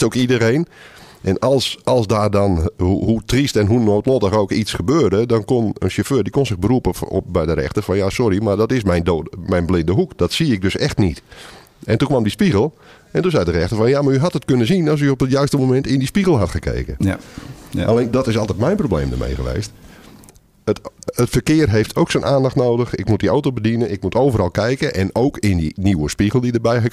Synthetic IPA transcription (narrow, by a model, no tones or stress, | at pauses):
owkidəeːn | ʔɛnɑlˠsɑlˠsdaːrdɔnɦutristɛnɦunoːtlotəxoːkisxəbøːrdədɔnkonə̰nʃəføːdikonsɪɣbəɾupə̰bɛjdəɾɛ̰xtərfɔnjasɔɾimardɔtɪsmɛjndomɛjnblɪndəɦukd̥ɔtsiɪk̚døsɛxtnit | ɛntukʋamdispiɣəlˠ | ɛntunzɛjdərɛxtərfɔnjamaɹyɦɑtətkønəzinɑs̬yop̚dətjœɥstəmomɛntɪndispiɣəlˠɦatxəkʰḛːkən | alendɔtɪsɑlˠtɛtmɛjnprowblḛːmdə̰mʔḛjɣəʋḛːst | ətətfərkɪərɦejftʰowksənʔaːndɑxtnoːdəxɪk̚mut̚diawtobədinənɪk̚mutoːvəɾɑlˠkɛjkəʔɛnoːkɪndiniwəspiɣəlˠdidərbɛjɦə